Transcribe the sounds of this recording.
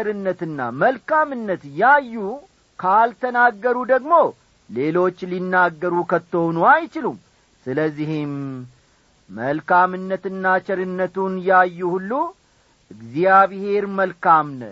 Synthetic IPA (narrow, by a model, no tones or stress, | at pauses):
ɾɨnːət̪ɨnːa̰məlkamɨnːət̪jajːu | kʰalt̪ʰənaɡːəɾud̪əɡmo̞ | le̞lo̞t͡ʃːlinːaɡːəɾukʰət̪ːonuajt͡ʃɪlum | sɨləzːihim | əlkamɨnːət̪ɨnːat͡ʃɛɾɨnːət̪unjajːuhulːu | ʔɨɡzijaβhe̞ɾməlkamnə̰t̪